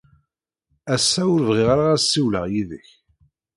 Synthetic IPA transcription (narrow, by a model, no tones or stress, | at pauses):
æsːæʊɾvʁɪʁaɾaʁæsːiwlə̰ʁjiðəç